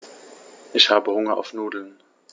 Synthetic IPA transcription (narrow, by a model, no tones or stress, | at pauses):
ʔɪçhaːbəhʊŋɐʔa̰ʊfnuːdl̩n